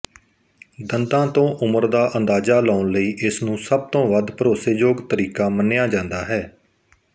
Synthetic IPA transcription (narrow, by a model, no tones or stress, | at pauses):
d̪ənd̪ãːt̪õːʔʊməɾd̪aːʔənd̪aːzaːlaːʊnləiːʔɪsnũːsəb̚t̪õːʋəd̪pəɾoːseːd͡ʒoːɡt̪əɾiːkaːmənɪjaːd͡ʒãːnd̪aːɦɛː